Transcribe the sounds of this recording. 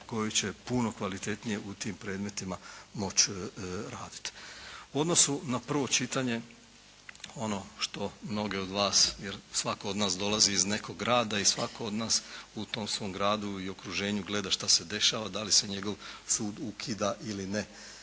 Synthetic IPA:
ko̞jit͡ɕe̞puno̞kʋalit̪e̞t̪nije̞ʔut̪iːmpɾe̞ːd̪me̞t̪imamo̞t͡ʃɾaːd̪i̥t̪uo̞d̪no̞sunapr̩ʋo̞t͡ʃit̪aɲe̞ | o̞no̞ʃt̪o̞mno̞ɡe̞o̞d̪ʋaːsjeɾsʋako̞od̪naːsd̪o̞lˠaziizne̞kʰo̞ɡːɾaːd̪aisʋa̰kʰo̞od̪naːsut̪o̞ːmsʋo̞ːmɡɾaːd̪uio̞kɾuʒe̞ːɲuɡle̞d̪aʃt̪ase̞d̪e̞ʃaːʋad̪alise̞ɲe̞ɡo̞ʋsuːd̪ukʰiːd̪aʔiline

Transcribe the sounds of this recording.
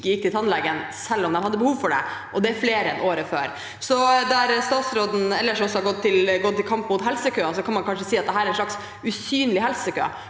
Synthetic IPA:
kːəjɪk̚ːt̪ɪlt̪ɑnlɛɡənsɛlːɔmd̪ɛmhɑd̪ːəbəhuːʋfɔɖɛ̰ʔɔd̪ɛæɾfleːɾəɛnʔoːɾəføːɾ | sɔd̪æɾst̪ɑːt̪sɾoːd̪n̩ɛlːəʂɔmɔsɔhɑɾɡɔt̪ʰːɪlɡɔt̪ːɪlkʰɑmpmʊt̪ɦɛlsəkʰøːɑsɔkʰɑnmɑnkʰɑnʂəsiːɑt̪̚d̪ɛɦæːɾɛnʂɭɑks | ʉsyːnlɪɦɛlsəkø̰ː

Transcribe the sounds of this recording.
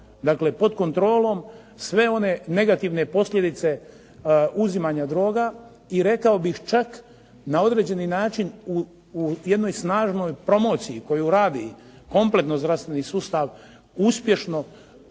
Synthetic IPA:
d̪akle̞po̞d̪ko̞nt̪ɾo̞ːlo̞m | sʋe̞o̞ne̞ne̞ɡat̪iʋne̞po̞slʎʲje̞d̪it̪se̞ | uzimaɲad̪ɾo̞ːɡa | iɾe̞kao̞bixt͡ʃak | nao̞d̪ɾe̞ːd͡ʑe̞ninaːt͡ʃinu | jed̪no̞jsnaːʒno̞jpɾo̞mo̞ːt̪sijiko̞juɾaːd̪i | ko̞mple̞t̪no̞zd̪ɾast̪ʋe̞nisuːst̪aʋ | uspje̞ʃno̞

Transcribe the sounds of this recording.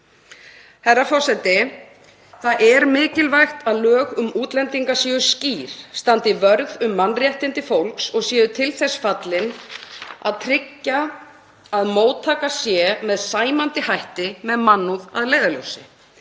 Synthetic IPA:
hɛrːafɔr̥sɛt̪ɪ | θaðʔɛɾmɪːcɪlvajxt̪aðlœːɣʏmuːt̪lɛnt̪iŋkasjɛʏsciːɾ̥st̪ant̪ɪvœɾɣðʏmːanːrjɛht̪ɪnt̪ɪfowlksɔɣsjɛːðʏt̪ʰɪlθɛsfat̪lɪn | a̰ðt̪ʰɾɪcːa | aðmoːwt̪ʰːaːkasjɛmɛðsaːjmant̪ɪhajht̪ɪmɛðmanːuða̰ðleːjðalœwsɪ

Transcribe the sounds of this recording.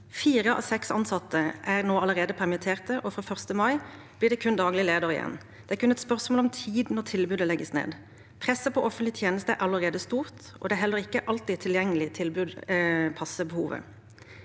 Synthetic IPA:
fiːʁəʔɑ̰ːʋsɛksɑ̰nsɑt̪ːəʔæʁnoːɑləʁeːd̪əpʰæʁmɪt̪ʰeːʁt̪əʔɔfɾoːfœʁst̪əmɑɪ | blɪːd̪ɛːkʰʉnd̪ɑːɡlɪleːd̪ɑʁɪ̰jɛ̰nː | d̪̥ɛːæːkʰʉnɛt̪spœʁsmoːlɔmt̪ʰiːd̪nɔʁt̪ʰɪlbʉd̪əlɛɡəsnḛːd̪ | pʰʁɛsːəpʰɔʔɔfənlɪt̪ʰjeːnəst̪əæʔɑləʁeːd̪əst̪uːʁt̪ | ʔɔ̰d̪ɛæɦɛlːəɾɪkːəʔɑlt̪ɪːt̪ʰːɪljɛŋːəlɪt̪ʰɪlbʉd̪pʰɑsəbəhuːʋə̰

